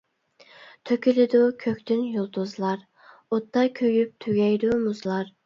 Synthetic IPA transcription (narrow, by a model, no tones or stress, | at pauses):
t̪ʰøkʲilɪd̪ʊkʲʰøkʲt̪ʰynjolˠt̪uzlˠɑɾ | ot̪ːɑkʲʰøɡʲyp̚t̪ʰyɡʲɛjd̪umuzlˠɑɾ